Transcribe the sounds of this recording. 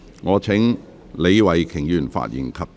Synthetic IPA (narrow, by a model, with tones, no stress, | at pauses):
ŋɔː˨˧t͡sʰɪ˨˥ŋ | le˨˧jwɐ˨jkʰɪ˨˩ŋjyː˨˩nfa̰ː˧t̚jḭ˨˩nkʰɐ˨p̚